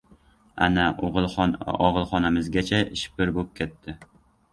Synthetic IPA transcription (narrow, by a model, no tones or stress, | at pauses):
a̰naoʁlˠɒʁɨlˠχɒnamɪzɡʲat͡ʃʰaɪʃpɪɾbop̚kʲʰet̪ʰːɪ